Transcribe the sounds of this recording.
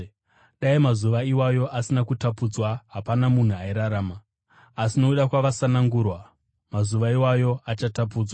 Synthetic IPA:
ɗaimazuʋaiwajo̞ʔasinakutapud͡zwaɦapanamun̤uaiɾaɾaːmaː | sinouɗakwaʋasanaŋɡuːrwa | mazuʋaiwajo̞at͡ʃatap̬uːd͡zwa

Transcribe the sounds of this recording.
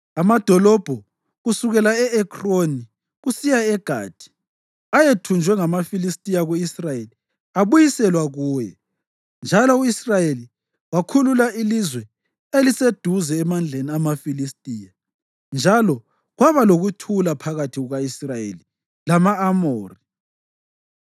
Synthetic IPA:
amad̥ʱɔlɔb̥ʱɔ | ɣusuɣɛlaɛɛkʰʼroni | ɣusijaɛɡ̥ʱa̰ːd̥ʱi̥ | ajetʰund͡ʒʱwɛŋamafilistʼijaɣuisrajeli | aβujisɛlwaɣuːjɛ̰ | nd͡ʒʱalɔuisrajeli | wakʰululaʔilizwɛ | elised̥ʱuzɛːmand͡ɮʱeniamafilistʼiːja | nd͡ʒʱalɔ | ɣwaβaloɣutʰulapʰaɣatʰiɣuɣaisrajḛli | lamaːmoːri

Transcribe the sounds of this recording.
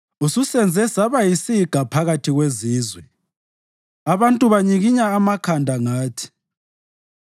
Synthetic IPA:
ususɛnd͡zʱɛsaβajisiɡ̥ʱapʰaɣatʰiɣweziːzwɛ | aβantʼuβaɲiɣiɲaːmakʰandʱaŋaːtʰi̥

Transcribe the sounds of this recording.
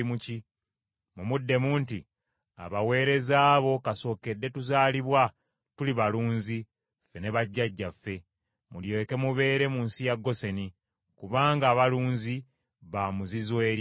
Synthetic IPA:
muci | mumudːe̞muːnti | a̰βawe̞ːɾe̞zaːβo̞kaso̞ːke̞dːe̞tuzaːliβwa | tuliβaluːnzi | fe̞ne̞βaɟːaɟːafːe̞ | muljoke̞muβe̞ːɾe̞muːnsijaɡːo̞se̞ni | kuβaːŋɡaːβaluːnzi | βamuzizwe̞ːɾ

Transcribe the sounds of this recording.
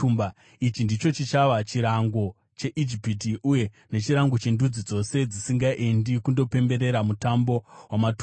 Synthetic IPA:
umba | it͡ʃindit͡ʃo̞t͡ʃit͡ʃaʋat͡ʃiɾaŋɡo̞ | t͡ʃe̞ʔid͡ʒipit̬iuje̞ | ne̞t͡ʃiɾaŋɡo̞t͡ʃe̞ndud͡zid͡zo̞se̞d͡zisiŋɡaʔendikundo̞pe̞mbe̞ɾe̞ɾamutambo̞wamat

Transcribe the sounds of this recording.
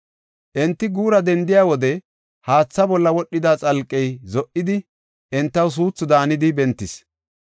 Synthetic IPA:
ʔɛnt̪ːɪɡuːɾɐd̪ɛnd̪ɪjaːwɔd̪ɛ | haːt͡sːɐbɔlːɐwɔɗːɪd̪at͡sʼɐlkʼːɛjzɔʔɪd̪ɪ | ʔɛnt̪ːɐws̬uːt͡sːʊd̪aːnɪd̪ɪbɛnt̪ːɪs

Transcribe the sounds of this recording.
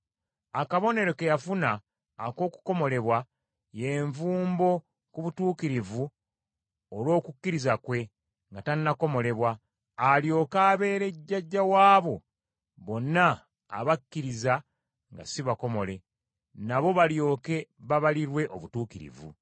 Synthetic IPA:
akaβo̞ne̞ɾo̞ke̞jafunaː | ko̞ːku̥ko̞mo̞le̞βwa | je̞ɱvuːmbo̞ | kuβutuːkiɾivu | olwo̞ːkukːiɾizakwe̞ | ŋɡatanːako̞mo̞le̞βwaː | ljo̞ːkaːβe̞ːɾe̞ɟːaɟːawaːβo̞ | βo̞nːa̰ː | βakːiɾiza | ŋɡa̰siβako̞mo̞le̞ | naβo̞βaljo̞ːke̞βaβaliɾwe̞ʔo̞βutuːkiɾḭvṵ

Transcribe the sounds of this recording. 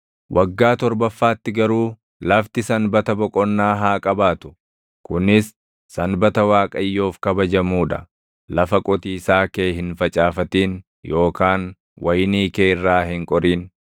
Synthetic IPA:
wʔɐɡːaːt̪ɔɾbɐfːaːt̪ːɪɡɐɾuː | lɐft̪ɪsɐnbɐt̪ɐbɔkʼɔnːaːɦaːkʼɐbaːt̪ʊ̥ | kʊnɪs | sɐnbɐt̪ɐwaːkʼɐjːo̞ːfkɐbɐd͡ʒɐmuːᶑɐ̰ | lɐfɐkʼɔt̪iːsaːkeːhɪnfɐt͡ʃʼaːfɐt̪iːn | jo̞ːkaːn | wʔɐjniːkeːɪrːaːhɪŋkʼɔɾiːn

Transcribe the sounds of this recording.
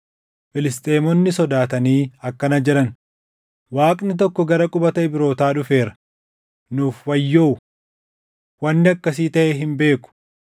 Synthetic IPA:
fɪlɪst̪ʼeːmɔnːɪsɔd̪aːt̪ɐniːɐkːɐnɐd͡ʒɛᶑɐn | waːkʼnɪt̪̬ɔkːɔɡɐɾɐkʼʊbɐt̪ɐɪbɪɾo̞ːt̪aːᶑʊfe̞ːɾɐ̥ | nuːfwɐjːoː | wɐnːɪɐkːɐsiːt̪ɐʔɛɦɪmbe̞ːkʊ̥

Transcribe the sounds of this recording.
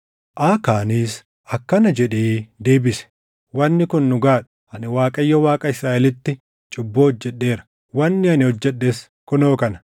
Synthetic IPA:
ʔaːkaːniːs | ʔɐkːɐnɐd͡ʒɛᶑeːd̪e̞ːbɪsɛ̥ | wɐnːɪkʊnːʊɡaːᶑʊ̥ | ɐnɪwaːkʼɐjːɐwaːkʼɐɪsɾaːʔɛlɪt̪ːɪ | t͡ʃʼʊbːoːɔd͡ʒːɛᶑːe̞ːɾɐ̥ | wɐnːɪɐnɪhɔd͡ʒːɛɗːes | kʊnoːkɐnɐ̥

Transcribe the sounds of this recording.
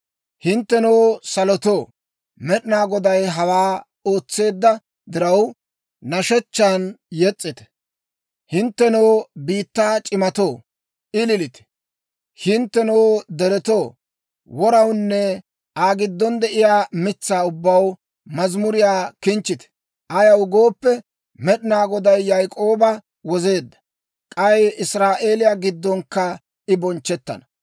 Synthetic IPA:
hɪnt̪ːɛnowsɐlɔt̪oː | mɛɗɪnaːɡɔd̪ɐjɦɐwaː | oːt͡sːe̞ːd̪ːɐ | d̪ɪɾɐwː | ɐʃɛt͡ʃːaːnjɛt͡sʼːɪt̪ɛ̥ | hɪnt̪ːɛnowːbiːt̪ːaːt͡ʃʼɪmɐt̪oː | ʔɪlɪlɪt̪ɛ̥ | hɪnt̪ːɛnoːd̪ɛɾɛt̪o̞ː | wɔɾɐwnːɛ | ʔaːɡɪd̪ːɔnd̪ɛʔɪjaːmɪt͡sːaːʊbːɐw | mɐzmʊɾɪjaːkɪnt͡ʃːɪt̪ɛ̥ | ʔɐjɐwɡo̞ːpːɛ | mɛɗɪnaːɡɔd̪ɐjːajkʼo̞ːbɐ | wɔze̞ːd̪ːɐ̥ | kʼɐjɪsɾaːʔeːlɪjaːɡɪd̪ːɔŋkːɐ | ɪbɔnt͡ʃːɛt̪ːɐ̰nɐ

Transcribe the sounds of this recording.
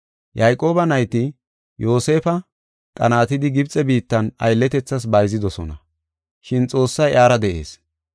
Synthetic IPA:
jɐjkʼo̞ːbɐnɐjt̪ɪ | jo̞ːse̞ːfɐ | kʼɐnaːt̪ɪd̪ɪɡɪbt͡sʼɛbiːt̪ːɐnɐ̰jlːɛt̪ɛt͡sːɐs̬bɐjzɪd̪ɔsɔnɐ | ʃɪnt͡sʼo̞ːsːɐjʔaːɾɐd̪ɛʔe̞̰ːs

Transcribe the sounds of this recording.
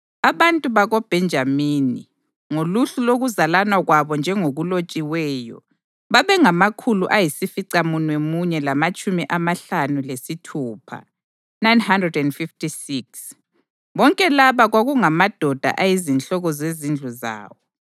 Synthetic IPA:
aβantʼuβaɣɔb̥ʱɛnd͡ʒʱamiːnḭ | ŋoluɬuloɣuzalanwaɣwaβɔnd͡ʒʱɛŋoɣulot͡ʃʼiwɛːjɔ̰ | βaβɛŋamakʰuluʔajisifiǀamunwemuɲɛlamat͡ʃʼumiʔamaɬanulesitʰuːpʰa̰ | najnhandrɛdɛndfiftʰʼisiks | βɔŋkʼɛlaβaɣwaɣuŋamad̥ʱɔd̥ʱa̰ʔajizinɬɔɣɔzezind͡ɮʱuza̰ːwɔ

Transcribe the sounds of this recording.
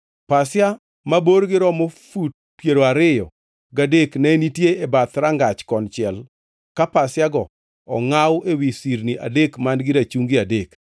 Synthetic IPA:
pasja | maboɾɡɪɾɔmofut̚pjeɾoaɾɪjɔ | ɡadeknɛnitjeebat̪ɾaŋɡat͡ʃkɔnt͡ʃjɛl | kapasjaɡɔ | ɔŋawʔewisiɾniʔa̰dekmandɡɪɾat͡ʃuŋɡiadek

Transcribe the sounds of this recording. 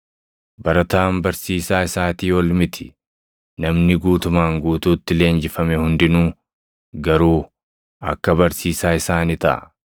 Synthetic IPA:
bɐɾɐt̪aːmbɐɾsiːsaːɪsaːt̪iːwɔlmɪt̪ʰɪ̥ | nɐmnɪɡuːt̪ʊmaːŋɡuːt̪uːt̪ːɪle̞ːnd͡ʒɪfɐmɛhʊnd̪ɪnuː | ɡɐɾuː | ɐ̰kːɐbɐɾsiːsaːɪsaːnɪt̪ɐ̰ʔɐ̰

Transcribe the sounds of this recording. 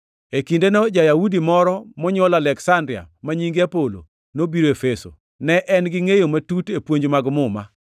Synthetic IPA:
ekindenɔd͡ʒajaudimɔɾɔmɔɲɔlalɛksandɾɪa̰maɲiŋɡeapolo̰ | nobiɾoefeso̰ | nɛʔɛnɡɪŋejomatutepwoɲd͡ʒmaɡmʊma

